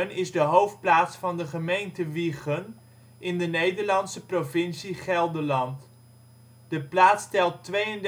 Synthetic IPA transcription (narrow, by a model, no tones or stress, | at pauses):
nɪzdəɦowf̚plaːtsfɑndəχəmejntəʋiχən | ɪndənejdəɹlɑnsəprovɪnsiχɛlˠdəɹlɑnt | d̥əplaːtstɛlˠtʋejənd